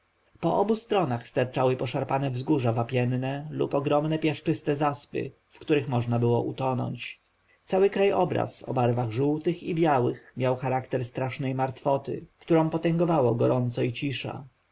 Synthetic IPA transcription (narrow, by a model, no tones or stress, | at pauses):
pɔʔɔbust̪ɾɔnaxst̪aɾt͡ʂawɘpɔʂaɾpanɛvzɡuʐavapʲjɛnnɛlṵpɔɡɾɔmnɛpʲjaʂt͡ʂɘst̪ɛzaspɘ̰ | fkt̪uɾɘxmɔʐnabɘwɔʔut̪ɔnɔ̰ɲt͡ɕ | t̪sawɘkɾajɔbɾa̰sɔ̰baɾvaɣʐuwt̪ɘxibʲjawɘxmʲjawxaɾakt̪ɛɾst̪ɾaʂnɛjmaɾt̪fɔt̪ɘ̰kt̪uɾɔ̃w̃pɔt̪ɛŋɡɔvawɔɡɔɾɔnt̪sɔit͡ɕiʂa̰